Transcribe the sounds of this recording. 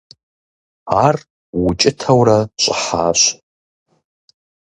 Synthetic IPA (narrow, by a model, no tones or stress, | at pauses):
ar | wʊt͡ʃʼɪtʰawraɕʷʼəħa̰ɕʷ